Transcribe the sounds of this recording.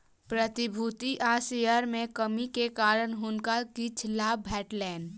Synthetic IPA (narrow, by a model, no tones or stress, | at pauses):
pɾət̪ibʱut̪iʔasejəɾmekəmikekaɾənɦunkakit͡ʃʰlabbʱɛʈlɛn